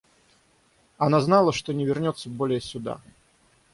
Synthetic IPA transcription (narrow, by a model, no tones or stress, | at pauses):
anaznalˠəʂt̪onʲɪvʲɪrnʲot̪sːəbolʲɪjəsʲʊd̪a̰